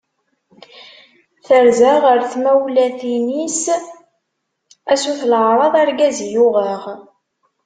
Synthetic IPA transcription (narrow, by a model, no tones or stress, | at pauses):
θəɾzaʁəɾθmæwlæθinis | æsuθlʕɾˤɑðˤɑɾɡæzjʊʁəʁ